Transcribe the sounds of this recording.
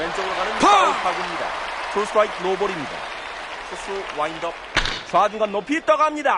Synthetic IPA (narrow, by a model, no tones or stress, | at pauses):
went͡ɕ͈ʌɡɯɾoɡanɯnpʰɯpʰaɡimɲida̰tʰɾosʰɾajtʰnobʌɾimɲida̰ | sʰusʰuwajndʌp̚swad͡ʑuŋɡanːopʰit͈ʌɡaamɲida